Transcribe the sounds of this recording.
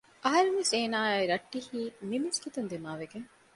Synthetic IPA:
ʔɐɦɐɾeŋʋeseːnaːjɾɐʈːihiːnimɐskit̪ɐnd̪imaːʋeɡeŋ

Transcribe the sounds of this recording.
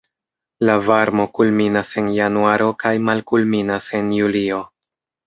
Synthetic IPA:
lavaɾmo̞kulminase̞njanuaɾo̞kajmalkulminase̞njulio̞

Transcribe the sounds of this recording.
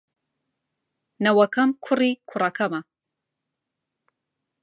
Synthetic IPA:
nɐwɐkɐmkʰʊrikʰʊrˤɐkʰɐmɐ

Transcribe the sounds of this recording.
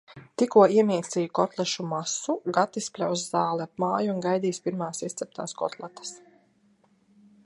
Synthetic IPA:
t̪ikuɔiɛmʲiːsijukɔt̪lˠɛʃumasuɡat̪ispʲlʲawszaːlˠɛap̚maːjuunɡajd̪iːspiɾmaːsist̪sʲɛp̚t̪a̰ːskɔ̰t̪lˠat̪ɐ̥s

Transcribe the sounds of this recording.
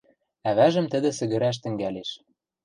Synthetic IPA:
æβæʒə̆mt̪ɘ̆d̪ɘ̆sɘ̆ɣɘ̆ɾæʃ̬t̪ɘ̆ŋɡæleʃ

